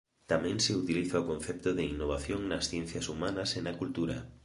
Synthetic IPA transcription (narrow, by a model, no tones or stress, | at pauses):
t̪amɛ̃ŋsɪut̪iliθaokõn̟θɛp̚t̪ʊðɪinːoβ̞aθjoŋnɐsθjɛn̟θjɐsumanɐsenɐkult̪uɾɐ̰